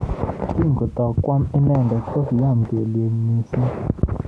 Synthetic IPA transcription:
ti˦˨ŋɡo˨t̪ɔ˨kːwa˦mi˦nɛ˦˨ndɔ˨to˦kja˦˨mɡe˨lje˨ŋmi˨si˦

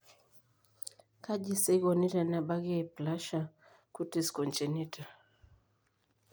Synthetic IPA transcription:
ka˦ʄi˦sɛ˦i˦ɣɔ˨ni˦ta˨na˨ɓa˦ɣi˦ai˨pla˦ʃa˨ | ku˦ti˨skɔ˨nt͡ʃɛ˨ni˦tʰa˨

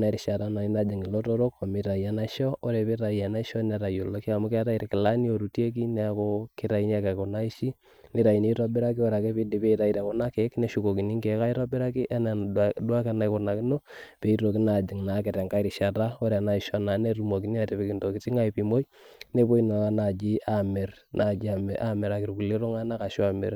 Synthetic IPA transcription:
na˨ɾi˨ʃa˨ɾa˦na˨i˦na˦d͡ʒɪ˨ŋi˨lo˦to˦ɾo˦ko˨mi˨ɾa˨ja˨na˦ʃɔ˦o˦ɾɛ˨pi˦ɾa˨i˨a˨na˦ʃɔ˦nɛ˨ɾa˨jo˨lo˦ki˦a˨mu˦ka˦ɾa˦i˨ɾkɪ˨la˦ni˦o˨ɾu˨tje˦k̬i˦nɛ˦˨ko˦kɪ˦ɾa˨i˦n˦a˦ke˨ko˨na˦i˦ʃi˦ | ni˦ɾa˨i˨ni˦ɾa˦bɪ˦ɾa˦k̬i˦ɔ˦ɾa˨ke˦pi˦di˨pe˦iɾa˨i˨ɾe˨kɔ˨na˦kɛ˦knɛ˦ʃu˨ko˨ki˨ni˦ŋke˨˦ka˦i˦ɾɔ˦bɪ˦ɾa˦ki˦ʔɛ˦na˨dwa˦ke˦na˨jko˨na˨ki˦no˦pe˨i˦ɾo˨kɪ˦na˨d͡ʒi˨ŋna˨˦kɪ˨tɛ˨ŋka˦ɪ˦ɾi˨ʃa˨ta˦o˦ɾa˨na˨ɪ˨ʃɔ˦na˨˦ne˦ɾu˦mo˨ki˦ni˦a˨te˨pe˨ki˨nto˨ki˨ti˦ŋa˦i˨pi˨mo˦i | ne˦po˦i˦na˨a˦na˨d͡ʒi˦ʔa˨mɛ˨r | nʔa˨d͡ʒi˦a˨mʔa˦mɛ˨ɾa˨kɪ˨ɾku˨le˦ɾo˦ŋa˦na˦ka˨ʃa˨mɛ̰˨r

